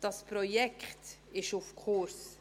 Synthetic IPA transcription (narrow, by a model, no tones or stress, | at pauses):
d̥̪ɑspʰɾɔjɛkt̪ | ɪʃʊfkʰoɾs